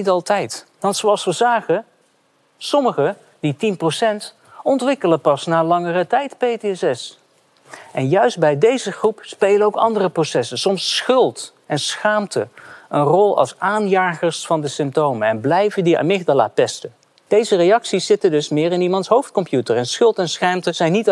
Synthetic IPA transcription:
nitɑlˠtɛjt | ʋɑntsowɑlˠsʋəzaːχə | sɔməχə | d̥itinprosɛnt | ɔntʋɪkələpɑsnaːlɑŋərətɛjtpejteɛsɛs | ʔɛnjœɥsdt̚bɛjdejzəχrupspejlənowkɑ̰ndərəprosɛsənsɔmsχɵlˠt | ɛnsχaːmtəənrɔlˠɑ̰lˠsaːnjaːχəɹsfɑndəsɪmp̚towməɛnblɛjvəndia̰mɪχdəla̰ːpɛstə | d̥ejzərejɑksiszɪtədɵsmɪːɾɪnimɑntsɦowftkɔmpjutəɹɛnsχɵlˠtɛnsχaːmtəz̥ɛjnːit

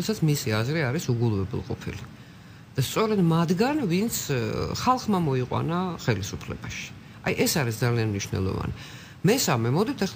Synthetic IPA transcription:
ɛsat̪sʰmisiazɾiaɾisuɡulˠvɛbɛ̰lˠqʼɔ̰pʰḭli | d̪̥ast̪sʼɔɾɛd̪mad̪ɡanvint̪sʰχalˠχmamɔiqʼwa̰naχɛlisupʰlɛ̰b̥aʃi̥ | ajʔɛsaɾisd̪zalianmniʃwnɛ̰lˠɔ̰va̰nḭ | mɛsamɛmɔd̪ɛt̪ʰɛ

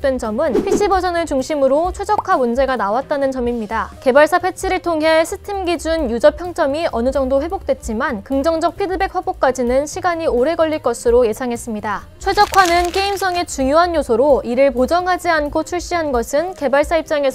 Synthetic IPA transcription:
t͈we̞nt͡ɕʌmɯnpʰiɕ͈ʰibʌd͡ʑʌnɯɭt͡ɕuŋɕʰimɯɾot͡ɕʰwe̞d͡ʑʌkʰamund͡ʑe̞ɡanawat̚t͈anɯnt͡ɕʌmimɲidake̞baɭs͈apʰe̞t͡ɕʰiɾɯɭtʰoŋɦe̞sʰɯtʰemɡid͡ʑunjud͡ʑʌpʰjʌŋt͡ɕ͈ʌmiʔʌnɯd͡ʑʌŋdoɸwe̞bok̚t͈we̞t̚t͡ɕ͈imankɯŋd͡ʑʌŋd͡ʑʌk̚pʰidɯbe̞k̚ɸabok͈̚ad͡ʑinɯnɕʰiɡaɲioɾe̞ɡʌʎːiɭk͈ʌsʰɯɾoje̞sʰaŋɦe̞s͈ɯmɲida | t͡ɕʰwe̞d͡ʑʌkʰwanɯnk͈e̞ims̬͈ʰʌŋe̞t͡ɕuŋjoɦanjosʰoɾoiɾɯɭpod͡ʑʌŋɦad͡ʑiankʰot͡ɕʰuɭɕ͈iɦanɡʌsʰɯnke̞baɭs͈aip̚t͡ɕ͈aŋe̞s

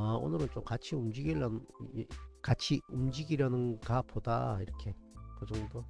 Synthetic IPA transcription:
o̰nɯɾɯnt͡ɕomkat͡ɕʰiumd͡ʑiɡiɭːanɯn | kat͡ɕʰiumd͡ʑiɡiɾanɯnkapoda̰iɾʌkʰe̞kɯd͡ʑʌŋdo

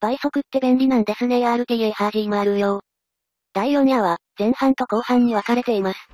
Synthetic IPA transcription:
b̥aiso̞kɯ̟t̪ːe̞bẽnɾʲinãnd̪e̞sɨne̞ɡaːɾɯ̟t̪ejɯihaːʑĩimoaɾɯ̟joː | d̪̥aijoɲiaβaz̥ẽ̞ɰ̃hãnt̪o̞ko̞ːhãɲ̟ːiβakaɾe̞t̪e̞imasɨ̥

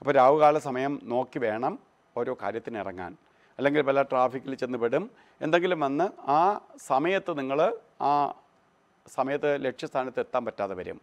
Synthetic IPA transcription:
ɐpːoːɾaːʋɨɣaːlɐsɐmɐjɐmno̞ːkːiʋe̞ːɳɐm | o̞ːɾo̞ːka̰ːɾjɐt̪ːinirɐŋːa̰ːn | ɐlːe̞ŋɡilpɐlaːʈraːfikʲːilt͡ɕe̞nːupːeɽum | e̞nd̪e̞ŋɡilumʋɐnːɨaːsɐmɐjɐt̪ːɨniŋːɐɭ | aː | sɐmɐjɐt̪ːɨle̞ʈʂjɐst̪ʰaːnɐt̪ːet̪ːaːmpɐtːaːðɨʋɐɾṵm

